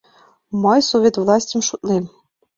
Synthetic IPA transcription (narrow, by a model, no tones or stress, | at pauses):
mɤjsovʲet̪vlˠɑsʲtʲə̆mʃut̪lem